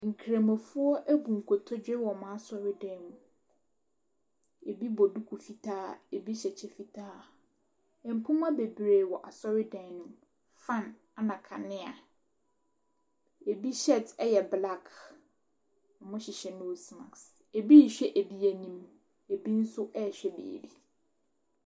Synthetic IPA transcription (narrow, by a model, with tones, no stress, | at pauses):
ŋ̩˨kʰɾe˨mã˨fʊ˦ɔ˦ʔæ˦bũ˨ŋ̩˨kʰo˨tʰɔ˦d͡ʑᶣɪ˦wɔ˨mã˦a˦sɔ˦ɾɪ˦dɛ̃˨˦nũ˨ | e˨bi˦bɔ˨du˦kʰu˨fi˨tʰaː˦e˨bi˦ɕɛ˨t͡ɕʰɛ˦fi˨tʰaː˦ | ɛ̃˨m̩˨pʰũ˦m˦a˦be˨bɾe˨wɔ˨ʔa˨sɔ˦ɾɪ˦dɛ̃˨nʊ̃˨m | fã˦˨n | a˨nã˨kʰa˨nɪ̃˦a˨ | e˨bi˦ɕɛ˦˨tɛ˦jɛ˨bla˦˨kʰ | ɔ˨mʊ̃˦ɕɪ˨ɕɛ˨nʊ̃˦wsmã˨ks | e˨bi˦˨ɕᶣɛ˦ʔe˨bi˦æ˨nĩ˦m | e˨bi˦n̩˦sʊ˦ʔɛ˦˨ɕᶣɛ˦bḛː˨di˨